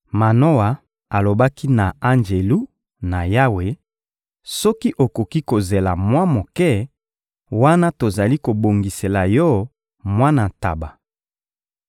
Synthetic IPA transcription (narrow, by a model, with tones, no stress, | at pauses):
ma˨no˦wa˨ | a˨lo˨ba˦ki˦na˨a˦nd͡ʒe˨lu˦ | na˨ja˦we˨ | sɔ˦ki˦ʔo˨ko˨ki˦ko˨ze˨la˨mwa˦mo˨kɛ˦ | wa˦na˦to˨za˨li˦ko˨bo˨ŋɡi˨se˨la˨jɔ˦ | mwa˦na˨ta̰˨ba˨